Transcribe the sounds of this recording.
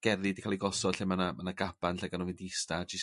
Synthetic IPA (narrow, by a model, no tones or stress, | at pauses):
ɡ̥ɛrɨdikʰaːlˠiɡɔsɔ̥ɬemanamanaɡab̥anɬɛɡanɔvɪndiɪstad͡ʒɪs